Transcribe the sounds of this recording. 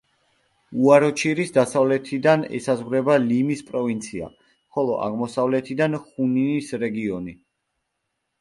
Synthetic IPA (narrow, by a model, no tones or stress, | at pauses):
uaɾɔt͡ʃʰiɾisd̪asavlɛt̪ʰid̪anɛ̰sazʁɾɛbalimispʼɾɔvint̪sʰia̰ | χɔlˠɔ̰ʔa̰ʁmɔsavlɛt̪ʰid̪anχuniisɾɛɡiɔni